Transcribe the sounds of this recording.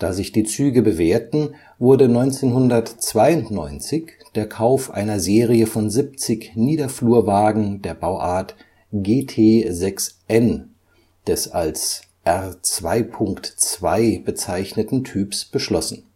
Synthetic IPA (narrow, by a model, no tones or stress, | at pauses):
d̥a̰ːzɪçd̥iːt͡syːɡəbəveːɐtn̩ | vʊɐdənɔʏnt͡seːnhʊndɐtt͡sv̥aɪʊntnɔʏnt͡sɪç | d̥eːɐkʰaʊfʔa̰ɪnɐzeːʁiəfɔnzɪp̚t͡sɪçniːdɐfluːɐvaːɡŋ̩deːɐbaʊʔaːɐt | ɡ̥eːtʰeːzɛksʔɛn | d̥ɛsals | ʔɛʁt͡sv̥aɪpʰʊŋktt͡sv̥a̰ɪb̥ət͡saɪçnətn̩tʰyːpsb̥əʃlɔsn̩